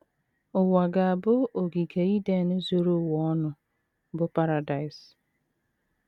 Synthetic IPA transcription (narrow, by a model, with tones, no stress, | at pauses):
ʊ˨wa˨ɡa˨a˨bʊ˦o˨ɡi˨kʰe˨i˦de˦˨nʊ˦zo˦ɾo˦˨wɔ˨ɔ˦nʊ˨ | bʊ˦pa˦ɾa˨da˨ɪ˨s